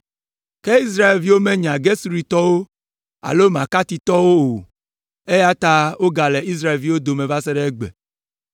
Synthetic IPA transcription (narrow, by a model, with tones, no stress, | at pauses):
ke˦i˦s̬ɾa˦e˨lvi˦wo˦mẽ˦ɲ˨ã˨ɡe˦su˦ɾi˨t̪ɔ˦wo˦ | a̰˨lo˦m˨ã˨ka˦t̪i˨t̪ɔ˦wo˦o˨ | e˦ja˦t̪a˦wo˦ɡa˨le˨i˦s̬ɾa˦˨e˨lvi˦wo˦d̪o˨mẽ˨va˦se˦ɖe˦ɡ͡bḛ˨